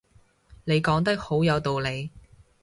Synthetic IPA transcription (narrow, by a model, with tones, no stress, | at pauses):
ne˨˧jkɔː˨˥ŋt̪̬ɐ˥k̚ho˨˥wjɐ˨˧wt̪o˨wle˨˧j